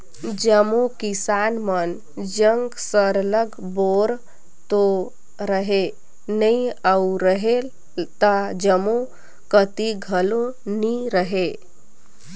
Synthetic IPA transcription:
d͡ʒəmokisanmən | d͡ʒəŋɡsəɾləɡ | boɾ | t̪o | ɾəɦe | nəĩauɾəɦe | t̪əd͡ʒəmõ | kət̪iɡʱəloniɾəɦe

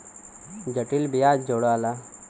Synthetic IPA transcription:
d͡ʑəʈilbijad͡ʒoɽala

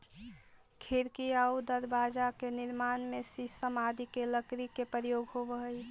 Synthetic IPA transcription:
kʰiɾkiaud̪əɾbaːd͡ʒakenɪɾmaːnmesisəmaːd̪ʱikeləkɾikepəɾjoːɡɦobəɦəi

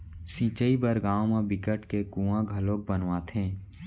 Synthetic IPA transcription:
sĩːt͡ʃəibəɾɡãːõmẽbɪkəʈkekũːãɡʱəloːk̚bənʋaːt̪ɦẽː

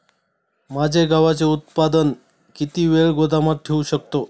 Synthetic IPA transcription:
mad͡ʑʱeɡaʋat͡seut̪̚pad̪ən | kit̪iːʋeɭɡod̪ʱamat̪̚ʈʰeuɕək̚t̪o

